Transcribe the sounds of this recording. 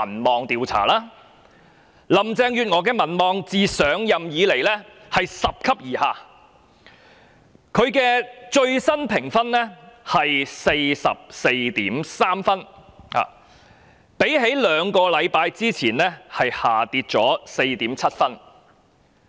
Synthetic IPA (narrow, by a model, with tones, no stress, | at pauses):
ɐ˨˩nmɔː˨ŋt̪iː˨wt͡sʰa̰ː˨˩laː˥ | lɐ˨mt͡sɛː˧ŋjyː˨t̚ŋɔː˨˧kɛː˧mɐ˨˩nmɔː˨ŋt͡siː˨sœː˨˧ŋjɐ˨mjiː˨˧le˨˩jlɛː˥ | hɐ˨jsɐ˨p̚kʰɐ˥p̚jiː˨˩haː˨ | kʰɵ˨˧ɥkɛː˧t͡ʃɵ˧ɥsɐ˥npʰɪ˨˩ŋfɐ˥nlɛ˥hɐ˨jse˧jsɐ̰˨p̚se˧jt̪iː˨˥msaː˥mfɐ˥nha̰ː˨ | pe˨˥jhe˨˥jlœː˨˧ŋkɔː˧lɐ˨˧jpaː˧jt͡siː˥t͡sʰiː˨˩nlɛː˥hɐ˨jhaː˨˩t̪iː˧t̚t͡sɔː˨˥se˧jt̪iː˨˥mt͡sʰɐ˥t̚fɐ˥n